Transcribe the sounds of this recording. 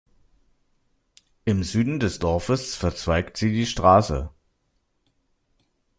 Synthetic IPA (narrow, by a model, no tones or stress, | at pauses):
ʔɪmzyːdn̩dɛsd̥ɔɐfəsfɛɐt͡sv̥aɪktz̥iːdiːʃtʁ̥aːsə̰